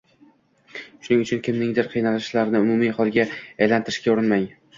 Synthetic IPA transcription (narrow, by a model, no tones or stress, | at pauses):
ʃʊnɪŋʊt͡ʃʰʊnkʲʰɪmnɪŋd̪ɪɾqʰɨjnalɪʃlaɾnɪʊmʊmiχɒlˠɡʲaajlant̪ʰɪɾɪ̥ʃkʲaʊɾɪnmaj